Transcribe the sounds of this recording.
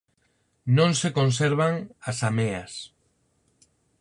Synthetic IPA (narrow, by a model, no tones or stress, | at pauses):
nõŋsekonseɾβ̞aŋasameas